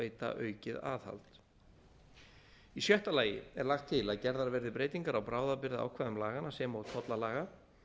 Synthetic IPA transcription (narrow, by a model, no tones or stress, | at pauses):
eːjt̪a̰ʔœːɥcɪða̰ːðha̰lt̪ | isjœht̪alaːjɪ̰ɛɾlaxt̪ʰːɪlaðcɛɾðaɾvɛɾðɪpɾeːjt̪iŋkaɾawpɾaːwðapɪɾðɪa̰wkʰvaːðʏmlaːɣanasɛmaːwt̪ʰɔt̪lalaːɣa